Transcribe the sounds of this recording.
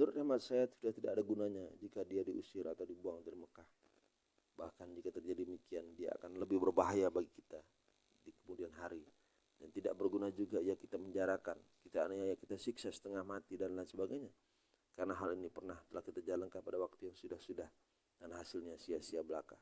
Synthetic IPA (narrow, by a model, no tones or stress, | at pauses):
duɾut̪̚ʔamat̪̚sajasudaht̪idakadaɡunaɲad͡ʒikadiadiʔṵsɪɾa̰t̪awdibuaŋt̪əriməkah | bahkand͡ʒikat̪ərd͡ʒadiəmikiandia̰a̰kanləbɪhbərbaɦajabaɡikit̪a | dikəmudianɦaɾi | dant̪idaʔ̚bərɡunad͡ʒuɡaijakit̪aməɲd͡ʒaɾakankit̪ajjakit̪asiksasə̥t̪əŋahmat̪idanlansəbaɡajɲa | kaɾənaɦalinipərnaht̪əlahkit̪ad͡ʒalankanpadawak̚t̪ujaŋsudahsudah | d̥anɦasɪlɲasiasiabəlaka̰